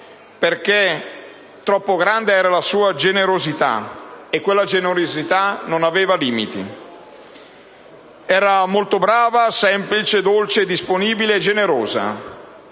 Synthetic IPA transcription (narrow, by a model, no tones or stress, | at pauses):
perk̟e | t̪ːɾɔpːoɡɾand̪eɛːɾalasuːad͡ʒeneɾozit̪a̰ekːwelːad͡ʒenoɾozit̪anonaveːvaliːmit̪ḭ | ɛːɾamolt̪obɾaːvasɛmplit͡ʃed̪olt͡ʃed̪isponiːbileːd͡ʒːeneɾoːza̰